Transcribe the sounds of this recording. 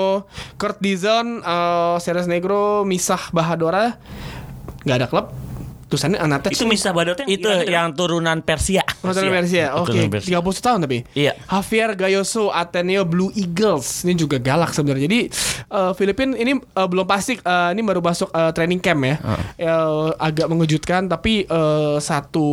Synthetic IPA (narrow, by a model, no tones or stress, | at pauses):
okərt̪̚dizanəsɛɾɛs̬neɡɾomisahbaɦadoɾa | ŋɡaːdakələp̚t̪usaniʔanat̪ɛiumisahbadɾit̪ujaŋt̪uɾunanpɛrsiat̪uɾunanpɛrs̬iaoket̪iɡap̬ulut̪u̥t̪aɦʊnt̪ap̬iahafiɛrɡajosoʔat̪ɛneobluʔiɡəlsnid͡ʒuɡaɡalak̚səbənaɾd͡ʒadiəːfilipɪniniəbəlʊmpast̪ɪk̚əinimbaɾumasʊkəːt̪ɾenɪŋkɛmja̰əaɡaʔməŋəd͡ʒut̪̚kant̪apiʔəːsat̪u